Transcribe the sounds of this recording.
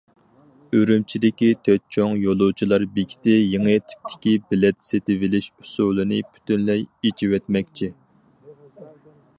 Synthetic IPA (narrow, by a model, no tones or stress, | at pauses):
øɾymt͡ʃʰid̪ɪkʲit̪ʰøt̪̚t͡ʃʰoŋjolˠut͡ʃʰilˠɑɾbiɡʲi̥t̪ɪjeŋɨt̪ʰi̥p̚t̪ʰːɪ̥kʲibɪlɛt̪set̪ɪvɪlɪʃu̥sulˠɨnɨpʰy̥t̪ynlɛjet͡ʃʰiwɛt̪mɛkʲt͡ʃʰi